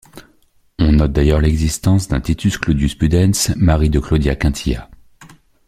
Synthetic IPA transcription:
ɔ̃nɔt̪̚d̪ajœʁlɛɡzist̪ɑ̃sd̪ɛ̃t̪it̪ʰysklod̪jyspyd̪ɛnsmaʁid̪əklod̪jakɛ̃t̪ʰija̰

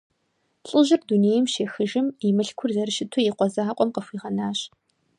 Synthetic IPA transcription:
ɬʼɨʒɪrduneːjɛmʃeːxɨʒɪmimɨɬkʷʰʊrzɐrɨʃɪtʰojiqʷɔzaːqʷʼɔmqəxʷiːʁɐnaːɕ

